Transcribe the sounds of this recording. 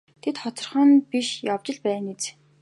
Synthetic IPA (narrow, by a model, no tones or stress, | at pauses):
t̪ʰet̪χɔt̪ɞ̆rχə̆npiʃjaw̥t͡ɕɪ̆ɮpæːnet͡s